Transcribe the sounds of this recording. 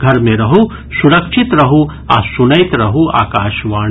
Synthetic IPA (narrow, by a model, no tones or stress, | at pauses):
ɡʱɐɾmẽɾɐɦu | suɾɐkʃɪt̪ɾɐɦu | a̰sunɐɪt̪ɾɐɦua̰ːkaːʃʋaː